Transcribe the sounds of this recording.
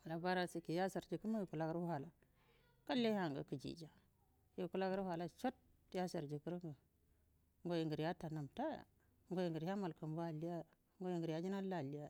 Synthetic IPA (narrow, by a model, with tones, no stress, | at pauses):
a˨la˨ba˦ɾa˦si˦ki˨ja˦sa˨ɾd͡ʒi˨kə˦ma˦ji˨ku˨la˦ka˦ɾha˨la˨ | ka˦lːe˦ha˨ŋɡə̰˨ki˨d͡ʒḭ˨d͡ʒa˨ | ji˨ku˦la˦kɾu˦ha˨la˦t͡ʃo˦t̚ | ja˦sa˨ɾd͡ʒi˨ki˦ɾŋɡə˨ | ŋɡo˦ji˨ŋɡə˨ɾja˦ta˨na˨mta̰˦˨˦ | ŋɡo˦ji˨ŋɡə˨ɾja˦ma˨lkə˨mba˦˨li˦ja˦ | ŋɡo˦ji˨ŋɡə˨ɾja˦d͡ʒi˦na˦la˨li˦ja˦